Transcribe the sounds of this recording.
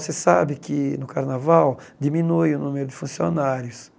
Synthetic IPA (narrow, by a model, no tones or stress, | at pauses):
sesabɪkɪnʊkaɾnavawd̪iminujunumeɾʊd̪ɪfũsjonaɾjʊs